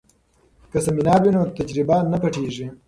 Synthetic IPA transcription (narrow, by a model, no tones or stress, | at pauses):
kɐsɐminɑːwinoːt̪ɐd͡ʒɾibanɐpɐʈʰeːʐi